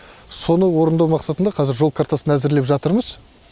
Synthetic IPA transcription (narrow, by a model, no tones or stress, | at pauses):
so̞nəwo̞ɾənd̪ɑwmɑqsɑt̪ənd̪ɑqʰɑzɪɾʒo̞lˠkʰaɾt̪ɑsənæzɪɾle̞pʒɑt̪əɾməz̥